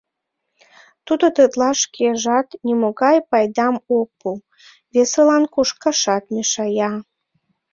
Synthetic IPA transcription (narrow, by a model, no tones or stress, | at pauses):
t̪ud̪ot̪ət̪lɑʃkeʒɑt̪nʲimoɣɑjpɑjd̪ɑmok̚pu | βeselɑnkuʃkɑʃɑt̪mʲeʃɑjɑ